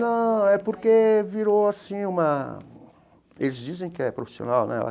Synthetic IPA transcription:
nɐ̃w̃ɛpoɾkeviɾoasĩũmɐ | elɪzd͡ʒizẽj̃kɪɛpɾofi̥sio̰nawnɛ̰a̰

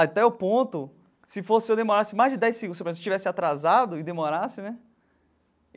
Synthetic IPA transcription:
at̪ɛʊpõt̪ʊ | sɪfosɪewd̪emoɾasɪmajzd͡ʒɪd̪ɛjsːiɡũd̪sepɾẽst͡ʃivɛsɪat̪ɾazad̪ʊɪd̪emoɾasɪnɛ

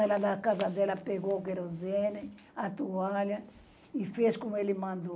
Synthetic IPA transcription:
ɛlad̪akazad̪ɛlɐpeɡokeɛɾozene | at̪ualjɐ | ifeskomuelimãnd̪o

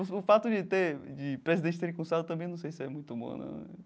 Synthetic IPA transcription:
sʊfat̪ʊd͡ʒɪt̪eɾd͡ʒɪpɾezid̪ẽt͡ʃɪt̪eɾĩkõsad̪ʊt̪ɐ̃bẽj̃nɐ̃w̃sejsɪɛmũj̃t̪ʊbõ̰nɛ̰̃

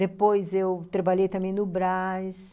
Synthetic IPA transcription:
epojzewt̪ɾɐbaʎejt̪ɐ̃mẽj̃nʊbɾajs

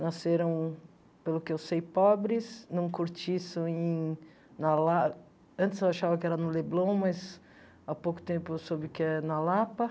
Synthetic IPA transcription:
naseɾɐ̃w̃ | pelʊkɪewsejpɔbɾɪsnɐ̃w̃kuɾt͡ʃisɐ̃ẽ | nɐla | ɐ̃t͡ʃ̪ɪsewaʃavɐkɪɛɾɐnʊleblɐ̃w̃mɐz | apokʊ̥t̪ẽmpʊesobɪkɪɛnɐlapɐ

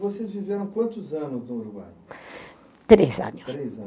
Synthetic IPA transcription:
vɔsezviveɾɐ̃w̃kwɐ̃nt̪uzɐnuznuuluɣa̰j | t̪ɾezɐ̰nʊʃɾezɐ̃

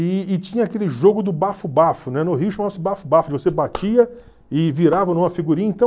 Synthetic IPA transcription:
ɪːt͡ʃĩɲɐakelɪʒoɡʊd̪ʊbafʊbafʊnɛnʊɦiʊʃɐmavɐsɪbafʊbafʊd͡ʒɪvosebat͡ʃiɐ | ɪviɾavɐnũmɐfiɡuɾĩɲɐẽt̪ɐ̃

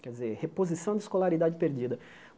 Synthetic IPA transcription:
kɛɾd͡ʒɪzehepozisɐ̃w̃d̪ɪiskolaɾid̪ad͡ʒɪpeɾd͡ʒid̪ɐ

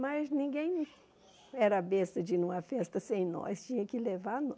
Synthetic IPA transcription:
mɐznĩɡẽj̃ | ɛɾɐbest̪ɐd͡ʒɪnũmɐfɛst̪ɐsẽj̃nɔ̰st͡ʃĩɲɐkɪlevaɾn

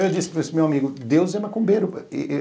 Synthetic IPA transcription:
ewd͡ʒisɪ̥pɾsmewamiɡʊd̪ewzɛmɐkõmbeɾʊ̰

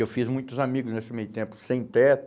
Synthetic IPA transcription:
ewfizmũj̃t̪ʊzamiɡʊznesɪmejʊt̪ẽmpʊ̥sẽj̃t̪ɛt̪

